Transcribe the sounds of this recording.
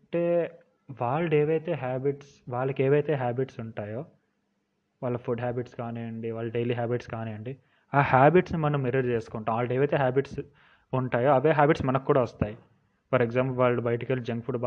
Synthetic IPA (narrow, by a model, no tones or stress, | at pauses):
ɐɳʈeː | ʋaːɭɐɽeːʋɐjt̪e̞ːɦaːbiʈsʋaːɭːɐkeːʋɐjt̪e̞ːɦaːbiʈsuɳʈaːjoː | ʋaːɭːɐpʰuɖɦaːbiʈskaːniɐɳɖiʋaːɭːɐɖeːliːɦaːbiʈskaːnijɐɳɖi | aːhaːbiʈsnimɐnɐmːeɾɐɾt͡ʃeːsu̥kɔɳʈːaːʋaːɭɐeːʋɐjt̪eːɦaːbiʈs | uɳʈaːjoːɐʋeːɦaːbiʈsmɐnɐkːuːɽaːʋɐst̪aːji | pɐɾeɡzaːmpɐlʋaːɭubʱɐjʈikeːld͡ʒɐŋɡpʰuɖba